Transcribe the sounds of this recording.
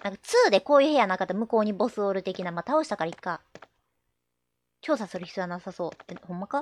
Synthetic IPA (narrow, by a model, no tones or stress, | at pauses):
nãŋkat͡sɨːd̪e̞ko̞ːjɯ̟he̞janakat̪ːamɯ̟ko̞ːɲ̟ibo̞sɨo̞ːɾɯ̟t̪e̞kʲinamat̪ao̞ɕi̥t̪ḁkaɾaikːa | t͡ɕo̞ːsasɨɾɯçi̥t͡sanasaso̞ːt̪ːehõ̞mːaka